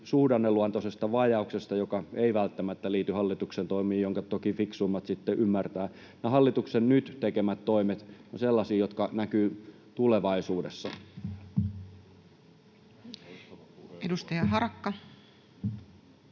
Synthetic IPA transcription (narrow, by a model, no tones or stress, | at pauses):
suːdɑnːelːuɑnt̪osest̪ɑʋɑjɑuksest̪ɑjokɑeiʋælt̪ːæmæt̪ːæliːt̪yhɑlːit̪uksent̪oimiːjjoŋkɑt̪okifiksuimːɑt̪sit̪ːeʔymːært̪æː | nehɑlːit̪uksennyt̪t̪ekemæt̪toimet̪oselːɑsiːjot̪kɑnækyː | t̪uleʋɑisuːdesːɑ | edust̪ɑjɑɦɑrɑkːɑ